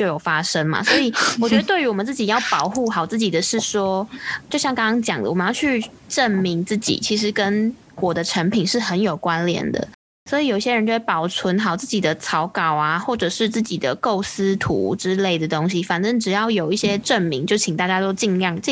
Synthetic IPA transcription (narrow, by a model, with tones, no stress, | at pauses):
t͡ɕjo˥˩ʊjo˨˩ʊfa˥ʂə˥ŋmɐ̰˨swɔ˧˥i˨˩wɔ˨˩t͡ɕɥɛ˧˥d̪ə˧t̪wɪy˧˥wɔ˨˩mə˨˦t͡sɹ̩˥˩t͡ɕi˨˩jɑ˥˩ʊpɑ˨˩ʊxu˥˩xɑ˨˩ʊt͡sɹ̩˥˩t͡ɕi˨˩d̪ə˦ʂɻ̩˥˩ʂwɔ˥t͡ɕjo˥˧ʊɕjɑ˥˧ŋkɑ˥ŋkɑ˥ŋt͡ɕjɑ̰˨˩ŋd̪ə̰˦wɔ˨˩mə˦jɑ˥˧ʊt͡ɕʰy˥˧ | ʈ͡ʂə˥˩nmi˧˥ŋt͡sɹ̩˥˩t͡ɕḭ˨˩t͡ɕʰi˧˥ʂ̬ɻ̩˧˥kə˥n | kwɔ˨˩d̪ə˦ʈ͡ʂʰa˧˥npʰi˨˩nʂɻ̩˥˩xə˧˥njo˨˩ʊkwa˥nljɛ̰˨˩nd̪ə̰˩ | swɔ˧˥i˨jo˨˩i˥˩ɕɛ˥ɻə˧nt͡ɕjo˥˧wpɑ˨˩ʊt͡sʰwə˧˥nxɑ˨˩ʊt͡sɹ̩˥˩t͡ɕi˨˩d̪ə˦t͡sʰɑ˧˥ʊkɑ˨˩ʊa˩xwɔ˥˩ʈ͡ʂɤ˨˩ʂɻ̩˥˧t͡sɹ̩˥˩t͡ɕi˨˩d̪ə̰˦ko˥˩ʊsɹ̩˥t̪ʰṵ˧˥ʈ͡ʂɻ̩˥le˥˩ɪd̪ə˩t̪ʊ˥ŋɕi˨fa˨˩nʈ͡ʂə˥ŋʈ͡ʂɻ̩˨˩jɑ˥˩ʊjo˨˩ʊi˥˩ɕjɛ˥ʈ͡ʂə˥˩nmi˧˥ŋt͡ɕjo˥˩ʊt͡ɕʰi˨˩ŋt̪a˥˩t͡ɕja˥t̪o˥ʊt͡ɕi˥˧ŋljɑ˥˩ŋ˥˧